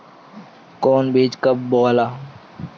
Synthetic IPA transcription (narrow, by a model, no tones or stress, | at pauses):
koːnbiːd͡ʒkəb̚boːlaː